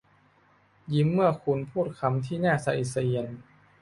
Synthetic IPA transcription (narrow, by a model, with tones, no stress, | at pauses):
ji˧˦mːɯ˥˩ɐkʰu˧npʰuː˥˩t̪̚kʰa˧mt̪ʰiː˥˩naː˥˩sa˧˦ʔi˨˩t̪̚sa˧ʔi˧ən